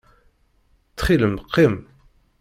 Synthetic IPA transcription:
t͡sːχiləmqːim

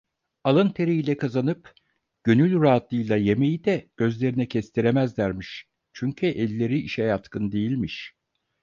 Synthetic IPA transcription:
alˠɯnt̪ʰe̞ɾiilʲɛkʰazanɯp | ɟ̥ø̞nylʲɾaːt̪lˠɯjlˠaje̞me̞jid̪ɛɟ̥ø̞zlʲe̞ɾinɛcʰɛst̪ʰiɾemæzlʲæɾmiʃ | t͡ʃʰyɲcʰyʔɛlʲːe̞ɾiiʃɛjat̪kʰɯnd̪e̞jilʲmiʃ

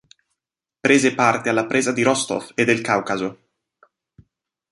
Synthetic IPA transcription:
pɾeːzepart̪ealːapɾʔeːzad̪iɾɔst̪o̰fed̪elkawkazo

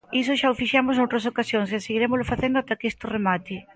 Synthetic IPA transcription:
isʊʃaʊfiʃamʊsnowt̪ɾɐsokasjoŋs̬eseɣiɾemʊzlʊfaθend̪ʊat̪akest̪ʊremat̪ɪ

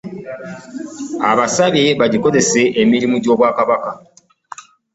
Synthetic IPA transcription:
aβasaβeβaɟiko̞ze̞se̞ʔemiɾimuɟo̞ːβwaːkaβaka

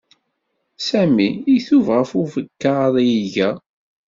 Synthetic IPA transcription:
sæmiiθuvʁəfufəkːaðˤjiʝæ

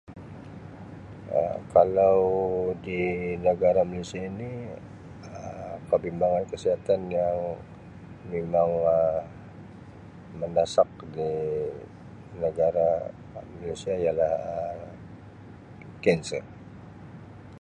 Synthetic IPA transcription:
ə̰kalawdinəɡaɾamalesiaini | əkəbimbaŋankəsiɦat̪anjaŋ | memaŋə | məndasak̚di | nəɡaɾa | malesiaijalahə | kɛnsə

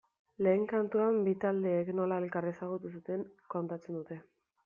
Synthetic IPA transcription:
le̞ːŋkant̪uambit̪ald̪e̞ːkno̞laelkariesaɣ̞ut̪usut̪e̞ŋko̞nt̪at͡se̞nd̪ut̪e̞

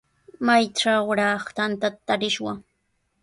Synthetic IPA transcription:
majʈ͡ʂaɾɑχt̪ant̪at̪at̪aɾɪʃwa

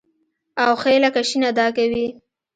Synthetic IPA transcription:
awxelakaʃinad̪ɑkawi

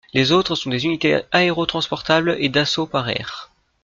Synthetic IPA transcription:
lezot̪χəsɔ̃d̪ezynit̪eaeʁot̪χɑ̃spɔʁt̪abled̪asopaʁɛ̰ːʁ

